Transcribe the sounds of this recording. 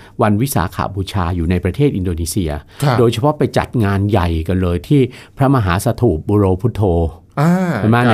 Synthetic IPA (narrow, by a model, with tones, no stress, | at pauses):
wa˧nwi˦˥sa̰ː˩˦kʰa̰˨˩bʰuː˧t͡ɕʰaː˧juː˨˩na˧jpɾa˧t̪ʰeː˥˩t̪̚ʔi˧ndoː˧niː˦˥si˧ɐ | doː˧jt͡ɕʰa˧pʰɔ˦˥pa˧jt͡ɕa̰˨˩t̪̚ŋaː˧nja˨˩jka˧nlɤː˧jt̪ʰiː˥˩pʰɾa˦˥ma˧ɦaː˩˦sa˧t̪ʰuː˨˩p̪̚buː˧ɾoː˧pʰu˦˥t̪ʰːoː˧ | a˧a˨˩maː˥˩n˧